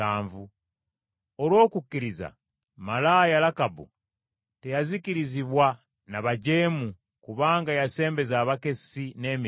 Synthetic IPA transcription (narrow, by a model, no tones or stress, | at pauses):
aːɱvu | olwo̞ːkukːiɾiza̰ | malajalakabṵ | te̞jazikiɾiziβwa | naβaɟe̞ːmu | kuβaːŋɡajase̞ːmbe̞zaβake̞sine̞mi